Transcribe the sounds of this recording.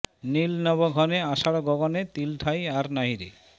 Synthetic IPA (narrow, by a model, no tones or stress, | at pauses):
nilnɔbaɡʱɔneaʃaɽoɡɔɡonet̪ilʈʰajaɾnaɦiɾḛ